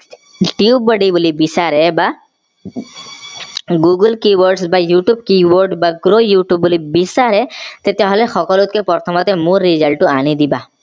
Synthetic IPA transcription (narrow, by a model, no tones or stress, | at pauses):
ʈiubəɖibulibisaɾɛba | ɡuɡəlkiwɔɾɖsbajuʈjub̚kiwoɾɖbaɡɾojuʈjubːulibisaɾɛt̪et̪eɦɔlexɔkɔlut̪̚kepɔɾt̪ʰɔmɔt̪emũɾid͡ʒəlʈuanid̪iba